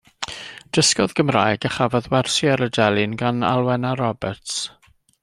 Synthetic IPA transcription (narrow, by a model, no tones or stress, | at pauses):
d̥əskɔðɡəmrajɡəχavɔðwɛrsiaɾədɛlˠɨnɡana̰lˠwɛnaɾɔbɛrts